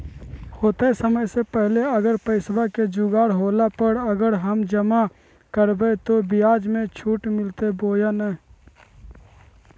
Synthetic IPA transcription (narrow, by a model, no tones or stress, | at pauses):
hoːt̪esəməjsepɛɦleəɡəɾpəɪsbaked͡ʒuɡaːɽɦoːlapəɽəɡəɾɦəmd͡ʒəma | kəɾbət̪obɪjaːd͡ʒmẽt͡ʃʰuːʈmɪlt̪eboːjanɛ